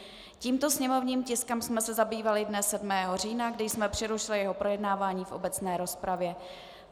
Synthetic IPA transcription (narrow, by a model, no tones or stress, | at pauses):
ciːmt̪o̞sɲɛmo̞vɲiːmcɪskɛmsmɛsɛzabiːvalɪdnɛsːɛdmɛːɦo̞riːnaɡdɪjsmɛpr̝̥ɪɾuʃɪlɪjɛɦo̞pɾo̞jɛdnaːvaːɲiːfʔo̞bɛt͡snɛːɾo̞spɾavjɛ